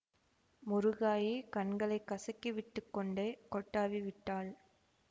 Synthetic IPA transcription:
mʊɾɯɣaːjikɐnɡɐɭɐɪkːɐsɐkːiʋɪʈːɯkːɔɳɖekɔʈːaːʋiʋɪʈːaːɭ

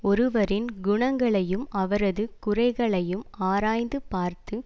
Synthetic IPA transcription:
ɔɾɯʋɐɾɪnɡʊɳɐŋɡɐɭɐjɯmɐʋɐɾɐðɯkʊrɐɪɣɐɭɐjɯmaːɾaːjnd̪ɯpaːɾt̪ɯ

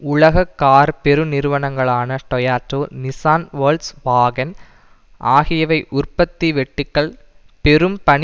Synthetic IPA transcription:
ʊɭɐɣɐkːaːɾpɛɾɯnɪɾɯʋɐnɐŋɡɐɭaːnɐʈɔjaːʈɾoːnɪsaːnʋoːlsʋaːɡɐn | ʔaːɣɪjɐʋɐɪʔʊrpɐt̪ːiʋɛʈːɯkːɐɭ | pɛɾɯmpɐɳ

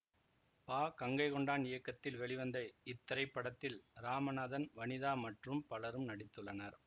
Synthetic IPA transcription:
paːkɐŋɡɐɪkɔɳɖaːnɪjɐkːɐt̪ːɪlʋɛɭɪʋɐnd̪ɐɪɪt̪ːɐɾɐɪpːɐɽɐt̪ːɪlɾaːmɐnaːðɐnʋɐnɪðaːmɐʈrɯmpɐlɐɾɯmnɐɽɪt̪ːɯɭːɐnɐɾ

